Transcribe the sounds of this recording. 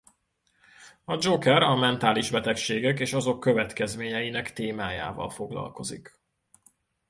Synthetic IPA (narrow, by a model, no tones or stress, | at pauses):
ɒd͡ʒokɛɾɒmɛnt̪aːliʒbɛt̪ɛkʃeːɡɛkeːʃɒzo̞kːø̞vɛt̪kɛzmeːɲɛjinɛkt̪eːmaːja̰ːvɒ̰lfo̞ɡlɒ̰lko̞zḭk